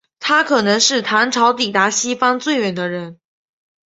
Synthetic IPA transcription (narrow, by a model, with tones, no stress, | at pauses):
t̪ʰa˥kʰɤ˨˩nɤ˧˥ŋʂɻ̩˥˩t̪ʰa˧˥nʈ͡ʂʰɑ˧˥ʊt̪i˨˩t̪a˧˥ɕi˥fɑ˥ŋt͡swe˥˩ɪɥɛ˨˩nd̪ə˦ɻə˧˥n